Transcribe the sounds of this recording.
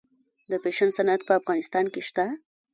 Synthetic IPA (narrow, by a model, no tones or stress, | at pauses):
d̪əpeʃansanat̪̚pəafɣɑnɪst̪ɑnkeʃt̪a